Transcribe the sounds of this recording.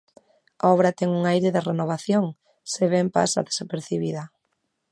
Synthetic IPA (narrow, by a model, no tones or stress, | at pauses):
a̰ɔβɾɐt̪ɛŋuŋajɾɪðɪrenoβ̞aθjoŋ | seβɛmpa̰sa̰ðe̥sapeɾθiβiðɐ